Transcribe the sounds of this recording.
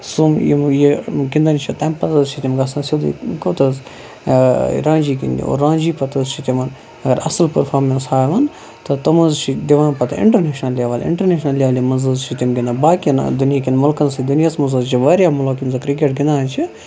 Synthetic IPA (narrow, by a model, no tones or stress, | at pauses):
sumjḭmjikind̪ant͡ʃʰit̪ɐmpɐt̪ɐzt͡ʃʰit̪ʲimɡɐsɐ̃sʲud̪ṵkot̪ɐz | ɾãːnd͡ʒiːkḭnd̪ḭo̰ːɾːãːnd͡ʒiːpɐt̪ɐzt͡ʃʰit̪ʲimɐn | ɐɡɐɾɐ̰sɐlpɐɾfʰaːɾmenshaːjʋaːn | t̪ɐt̪ɐmɐzt͡ʃʰid̪iʋãːnpɐt̪ɨ̰ɪ̰ɳʈɐɾneːʃnɐlːjaʋaːlɪ̰ɳʈɐɾneːʃnɐlʲːjaʋɐlimɐnzɨzt͡ʃʰit̪ʲimɡʲind̪abaːkin̰d̪unijaːkʲinmʊlkɐnsid̪unjasmɐnzɨzt͡ʃʰiʋɐɾʲjaːmulokʲimzɐkɾik̬eʈ̚ɡɪnd̪ant͡ʃʰi